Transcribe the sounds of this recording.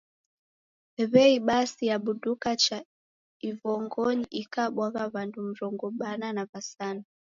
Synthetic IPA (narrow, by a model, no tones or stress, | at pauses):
ɛβɛiɓasijaɓuɗukat͡ʃa | ivɔŋɡɔɲiʔikaɓwaɣaβandum̩ɾɔŋɡɔɓananaβasana